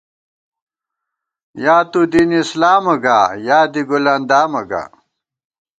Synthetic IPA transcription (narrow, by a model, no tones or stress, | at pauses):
jaːt̪ud̪iːnislaːmɐɡaːjaːd̪iɡuland̪aːmɐɡa̰ː